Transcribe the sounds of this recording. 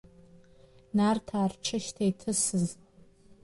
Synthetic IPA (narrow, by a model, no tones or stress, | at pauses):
nartʰaːrʈ͡ʂʰɨʃtʰejtʰɨsɨz